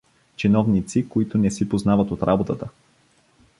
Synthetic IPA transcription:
t͡ʃinɔvnit̪sikoit̪ʊnɛsipoznavət̪ot̪ɾʔabot̪ət̪ə

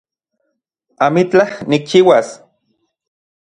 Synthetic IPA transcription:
amit͡ɬahnik̚t͡ʃiːwas

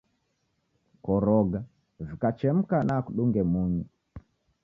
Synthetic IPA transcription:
kɔɾɔɡa | vikat͡ʃɛm̩kanakuɗuŋɡɛmuɲi

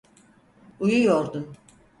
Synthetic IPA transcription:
ujujo̞ɾd̪um

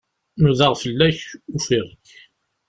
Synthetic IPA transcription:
nuðəʁfəlːæçufiʁəç

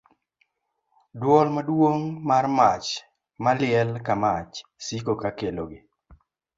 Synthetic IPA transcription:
dwɔlmadwoŋmarmat͡ʃ | malɪɛlkamat͡ʃsikokakeloɡɪ

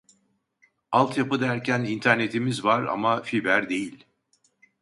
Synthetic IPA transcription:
alˠt̪ʰjapɯd̪æɾcʰænint̪ʰæɾne̞t̪ʰimizvaɾa̰mafibæɾd̪e̞jilʲ

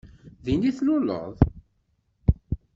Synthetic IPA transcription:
ðiniθlʊlə̰ðˤ

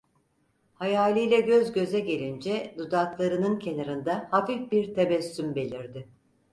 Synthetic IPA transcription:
hajaːlʲijlʲɛɟøzɟø̞zɛɟe̞lʲind͡ʒɛd̪ud̪aklˠaɾɯnɯncʰe̞naɾɯnd̪ahafifbiɾt̪ʰebɛsːymbe̞lʲiɾd̪ɪ

